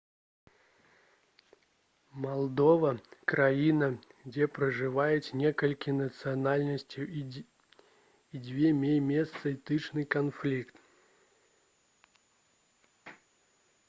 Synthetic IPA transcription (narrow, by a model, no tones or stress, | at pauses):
mɐlˠd̪ovəkɾɐinəɡdʲepɾəʐɨvajɪt̪nʲekəlʲkʲɪnət̪sɨɐnalʲnəsʲtʲʊ | idʲvʲemʲejmʲest̪səit̪ɨʂnɨjkɐnflʲikt̪